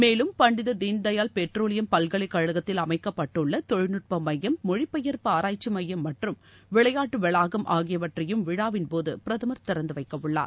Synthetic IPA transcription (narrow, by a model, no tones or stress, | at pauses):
meːlɯmpɐɳɖɪðɐd̪iːnd̪ɐjaːlpɛʈroːlɪjɐmpɐlɣɐɭɐɪkːɐɻɯɣɐt̪ːɪlɐmɐɪkːɐpːɐʈːɯɭːɐt̪ɔɻɪnɯʈ̚pɐmːɐjːɐmːɔɻɪpːɐjɐɾpɯaːɾaːjt͡ʃːɯmɐjːɐmːɐʈrɯmʋɪɭɐjaːʈːɯʋɛɭaːɣɐmʔaːɣɪjɐʋɐʈrɐjɯmʋɪɽaːʋɪnpoːðɯ̰pɪɾɐðɐmɐɾt̪ɪɾɐnd̪ɯʋɐɪkːɐʋɯɭːa̰ːɾ